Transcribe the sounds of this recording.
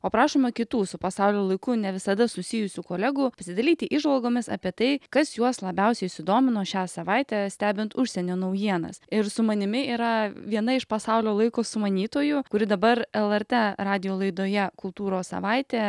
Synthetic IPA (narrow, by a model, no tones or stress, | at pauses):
oːpɾɑːʃomɐkʲɪt̪uːsʊpɐsɑʊlʲoːlˠɐɪkʊnʲɛʋʲɪsɐd̪ɐsʊsʲɪjʊsʲʊkoːlʲɛɡʊpɐsʲɪd̪ɐlʲiːt̪ʲɪʔiʒʋɐlˠɡoːmʲɪsɑ̰pʲiɛt̪ɐɪkɐsjuɔslˠɐbʲɛʊsʲɛɪsʲɪd̪oːmʲɪnoːʃʲæːsɐʋɑɪt̪ʲæːsʲt̪ʲæːbʲɪnt̪ʊʃʲsʲɛnʲoːnɐʊjiɛnɐ̰sɪɾsʊmɐnʲɪmʲɪiːɾɐʋʲiɛnɐɪʃpɐsɑʊlʲoːlˠɐɪkoːsʊmɐnʲiːt̪oːjʊkʊɾʲɪd̪ɐbɐɾɛlˠɛɾt̪ɛɾɑːd̪ʲɪjoːlˠɐɪd̪oːjɛkʊlˠt̪uːɾoːssɐ̰ʋɑɪt̪ʲeː